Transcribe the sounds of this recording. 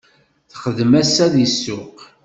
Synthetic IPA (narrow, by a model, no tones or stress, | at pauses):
θχəðmæsːæðəsːʊq